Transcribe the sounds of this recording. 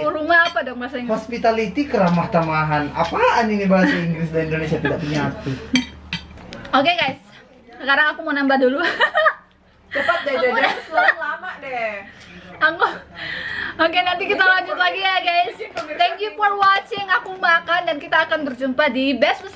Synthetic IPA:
uɾumaːpadɔk̚baasaɲhɔspit̪alit̪ikəɾahmaht̪amaɦana̰paːninibaɦasaiŋɡɾɪsdaindonesiat̪idaʔpuɲaaku | okeɡajs | səkaɾaŋakumonambahdulu | t͡ʃəpatdadaslaŋlamaʔdɛ | aŋ | okenant̪ikit̪alaɲd͡ʒʊt̪laɡijaɡajst̪ɛŋkjufɔrwɔt͡ʃɪŋakumakandankit̪aːkant̪ərd͡ʒumpadibɛspəs

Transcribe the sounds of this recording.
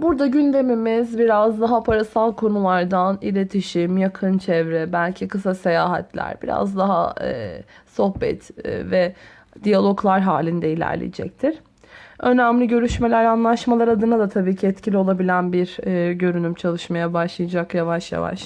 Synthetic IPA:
buɾd̪aɟynd̪e̞mimizbiɾazd̪aɦapʰaɾasalˠkʰo̞nulˠaɾd̪anḭlʲe̞t̪ʰiʃimjakʰɯnt͡ʃʰɛvɾɛbælʲcʰikʰɯsase̞jaːɦat̪ʰlʲæ̰ɾbiɾa̰zd̪aɦa̰ | so̞hbɛ̰t̪ːvɛ | d̪ijalʲˠo̞klˠaɾɦaːlʲind̪ɛilʲæ̰ɾlʲḭjid͡ʒɛ̰c̚t̪ʰiɾ̥ | ø̞næmlʲiɟø̞ɾyʃme̞lʲæɾanlˠaʃmalˠaɾad̪ɯnad̪at̪ʰabiːcʰiɛt̪cʰilʲio̞lˠabilʲænbiɾɟø̞ɾynymt͡ʃʰalˠɯʃmajabaʃlˠɯjad͡ʒakjavaʃja̰va̰ʃ

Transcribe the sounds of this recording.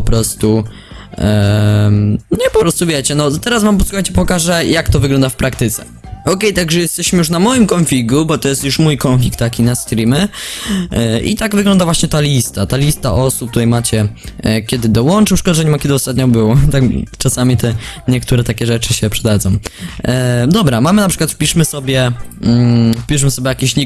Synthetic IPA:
pɔpɾɔst̪u | ɲɛpɔpɾɔst̪uvʲjɛt͡ɕɛnɔt̪ɛɾasvampɔsuxajt͡ɕɛpɔkaʐɛjakt̪ɔvɘɡlɔnd̪afpɾakt̪ɘt̪sɛ̥̰ | ɔkɛjt̪aɡʐɛjɛst̪ɛɕmɘjuʂnamɔjimkɔnfʲlʲiɡubɔt̪ɔjɛst̪juʂmujkɔnflʲikt̪ːakʲinast̪ɾimɛ | ʔḭt̪aɡvɘɡlɔ̃nd̪avwaɕɲɛt̪alʲist̪at̪alʲist̪a̰ʔɔsup̚kt̪uɾɛjmat͡ɕɛkʲɛd̪ɘd̪ɔwɔnt͡ʂɨʂkɔd̪aʐɛɲɛmakʲɛd̪ɨɔst̪at̪ɲɔbɘwɔt̪akt͡ʂasamʲit̪ɛɲɛk̚t̪uɾɛt̪akʲɛʐɛt͡ʂɘɕɛpʂɛd̪ad̪zɔ̃w̃ | d̪ɔbɾamamɘnapʂɘkwat̪fpʲiʂmɘsɔbʲjɛ | fpʲiʂmɘsɔbʲjɛjakʲiɕʲi

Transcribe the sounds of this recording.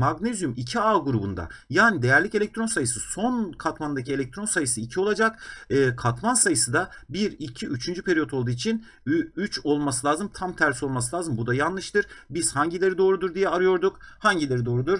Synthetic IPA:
maɡnezjymicʰiaːɡuɾubund̪a̰jaːnid̪e̞jæɾlʲicelʲɛk̚ct̪ʰɾo̞nsajɯsɯso̞nkʰat̪mand̪acʰie̞lʲɛc̚t̪ʰɾo̞nsajɯsɯicʰio̞lˠad͡ʒakɯːkʰat̪mansajɯsɯd̪abiɾicʰiʔyt͡ʃʰynd͡ʒypʰe̞ɾijot̪ʰo̞lˠd̪uːit͡ʃʰin | yt͡ʃo̞lˠmasɯlʲˠaːzɯmt̪ʰamt̪ʰæɾso̞lˠmasɯlʲaːzɯmbud̪ajanlˠɯʃt̪ɯɾ̥biz̥haɲɟilʲe̞ɾid̪o̞ːɾud̪uɾd̪ijɛaɾɯjo̞ɾd̪ukhaɲɟilʲe̞ɾid̪o̞ːɾud̪uɾ

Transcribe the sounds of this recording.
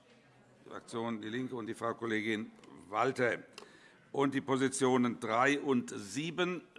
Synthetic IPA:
d̥ḭfa̰k̚t͡sjoːndiːlɪŋkəʊntd̥iːfʁ̥aʊkoleːɡɪnvaltə | ʔʊnt̚d̥iːpozit͡sjoːnəndʁaɪʔʊntziːbən

